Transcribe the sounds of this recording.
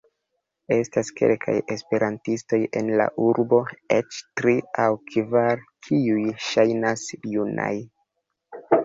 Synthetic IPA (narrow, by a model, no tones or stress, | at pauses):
e̞staske̞̰lkʰa̰je̞spe̞ɾʔantisto̞je̞nla̰ʔuɾbo̞et͡ʃtɾiawkʰvaɾkʰiujʃajnasjuna̰j